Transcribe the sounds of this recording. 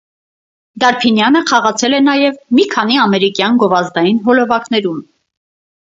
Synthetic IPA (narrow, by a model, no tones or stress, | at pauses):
d̪ɑɾpʰinjɑnəχɑʁɑt͡sʰɛlɛnɑjɛvmikʰɑniɑmɛɾikjɑnɡɔvɑzd̪ɑjinɦɔlɔvɑkn̪ɛɾum